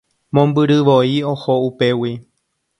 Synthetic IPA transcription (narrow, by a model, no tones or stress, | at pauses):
mõmbɨɾɨʋoiohoupe̞wi